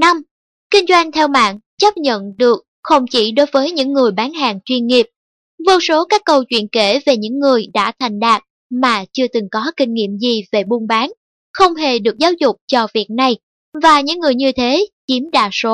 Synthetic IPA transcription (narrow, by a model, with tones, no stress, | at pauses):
na˧m | kï˧ŋ̟zwa˧jŋ̟t̪ʰɛ˧wma̰ː˧˨ŋ | t͡ɕə˦˥p̚ɲə̰˧˨nɗɨ˨˩ək̚xə˧wŋ͡mt͡ɕḭ˧˩ɗo˨˦jvəː˨˦jɲɨ̰˧˥ŋːɨ˨˩əjɓaː˨˦nɦaː˨˩ŋt͡ɕwi˧nŋi˨˩əp̚ | vo˧so˨˦kaː˦˥kːə˧wt͡ɕwḭ˧˨ənke˧˩ve˨˩ɲɨ̰˧˥ŋːɨ˨˩əjɗa̰ː˧˥t̪ʰa˨˩jŋ̟ɗaː˨˩t̚ | maː˨˩t͡ɕɨ˧ət̪ɨ˨˩ŋkɔ˨˦kï˧ŋ̟ŋḭ˧˨əmzi˨˩ve˨˩ɓu˧nɓaː˨˦n | xə˧wŋ͡mɦe˨˩ɗɨ˨˩ək̚zaː˨˦wzʊ˨˩k͡p̚t͡ɕɔ˧vi˨˩ət̚na˨˩j | vaː˨˩ɲɨ̰˧˥ŋːɨ˨˩əjɲɨ˧t̪ʰe˨˦t͡ɕi˨˦mɗa̰ː˧˨˩so˨˦